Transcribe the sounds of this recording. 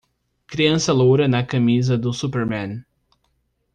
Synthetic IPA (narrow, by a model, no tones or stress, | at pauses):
kɾiɐ̃sɐlowɾɐnɐkɐmizɐd̪ʊsupeɾmɛ̃n